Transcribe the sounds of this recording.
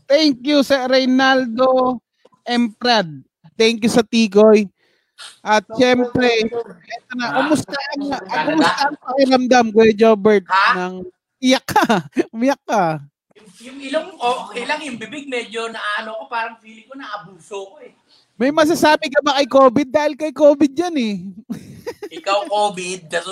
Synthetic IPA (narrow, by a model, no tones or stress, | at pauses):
t̪ɛŋkjusɛɾɛjnald̪o̞ | ʔɛmpɾad̪̚ | t̪ɛŋkjʊsɐt̪iːk̬o̞j | ʔɐt̪̚ʃɛmpɾɛɛt̪onɐkʊmʊst̪ɐʔɐnɐɐkʊmʊst̪ɐʔɐŋpɐkɪɾɐmd̪amɡwɛd͡ʒoːbɛɹt̪̚nɐŋ | mɪjakːɐmɪjɐkːɐ | jʊŋjʊŋɪloŋʔoːʔkejlɐŋjʊŋbɪbɪɡ̚mɛd͡ʒo̞nɐʔaːɐnokopaːɾɐŋfwiːlɪkonɐʔɐbuːsoɐkoɛ | mɐjmɐs̬ɐsaːbɪkɐbakɐjkoːbɪd̪̚ːaːhɪlkɐjkoːbɪd̪̚d͡ʒɐnɛ | ɪkawkoːbɪd̪̚kɐt